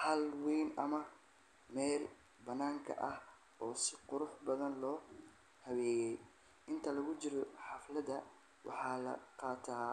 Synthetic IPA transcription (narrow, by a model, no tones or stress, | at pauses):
hɐlwijnɐmɐ | mɛːl | bɐnaːŋkʰɐ̰ʔɐh | ʔɔːsɪqʊɾʊħbɐðɐnlɔː | hɐwɛːjɛj | ɪnt̪ʰɐlɐɣʊt͡ʃɪɾɔħɑflɐðɐ | wʔɑ̰ħɑːlɐ̰qɑːt̪ʰaː